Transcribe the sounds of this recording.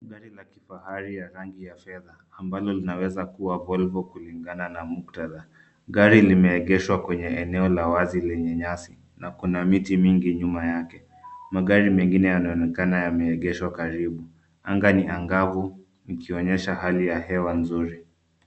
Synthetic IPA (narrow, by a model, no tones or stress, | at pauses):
ɠaɾilakifahaɾijaɾaŋɡijafɛðaːmbalɔlinawɛzakuwavɔlvɔkuliŋɡananamuk̚taða | ɠaɾilimɛɛɠɛʃwakwɛɲɛɛnɛɔlawazilɛɲɛɲasi | nakunamitimiŋɡiɲumajakɛ | maɠaɾimɛŋɡinɛjanaɔnɛkanajamɛɛɠɛʃwakaɾiɓu | aŋɡaniaŋɡavu | nikiɔɲɛʃahalijahɛwanzuɾi